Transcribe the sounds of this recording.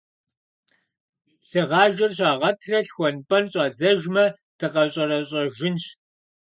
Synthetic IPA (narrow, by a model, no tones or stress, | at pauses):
ɬɨʁɑːʒɐrɕ̬ɑːʁɐtʰrɐɬxʷɔnpʼɐnɕʼɑːd͡zɐʒmɐ | d̥ɨqɐɕʼɐrɐɕʼɐʒɪnɕ